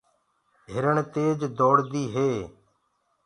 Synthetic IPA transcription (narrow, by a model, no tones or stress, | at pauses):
ɦɪɾəɳt̪eːd͡ʒd̪oːɽd̪iːɦeː